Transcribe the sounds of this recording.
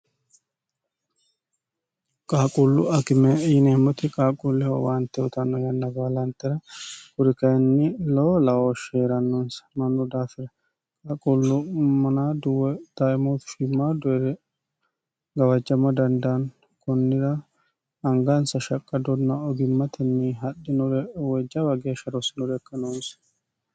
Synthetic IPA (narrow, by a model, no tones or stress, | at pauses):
kʼaːkʼʊlːʊ̰ɐkɪmɛɪneːmːɔt̪ɪkʼaːkʼulːɛhɔ̰waːnt̪ːɛɔt̪ɐnːɔjɐnːɐɡaːlɐnt̪ːɛɾɐkʊɾɪkɐjnːɪloːlɐwoʃeːɾɐnːɔnsɐ̥mɐnːʊd̪aːfɪɾɐ | kʼaːkʼʊlːʊmmɐnaːd̪ʊwɛd̪̥aʔɛmoːt̪ʊ̥ʃɪmːaːd̪ɔɛɾɛ | ɡɐwɐd͡ʒːɐmɐd̪ɐnd̪ɐn | kɔnːɪɾɐː | ŋɡɐnsɐʃɐkʼːɐd̪ɔnːɐɔɡɪmːɐt̪ʰɛnːɛɦɐɗɪnɔɾɛwɛd͡ʒːɐwɐɡɪɐʃɐɾɔsɪnɔɾɛkːɐnons